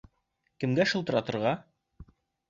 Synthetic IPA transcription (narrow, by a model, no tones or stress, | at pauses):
kɘ̆mɡæʃɤlˠt̪ɤ̆ɾɑt̪ɤ̆ɾʁɑ